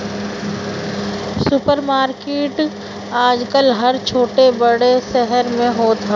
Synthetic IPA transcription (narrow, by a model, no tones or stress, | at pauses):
sʊpəɾmaːɾkeːʈ | aːd͡ʒkəlɦɐɾt͡ʃʰoːʈebɐɽesɛɦəɾmẽɦoːt̪ʰaː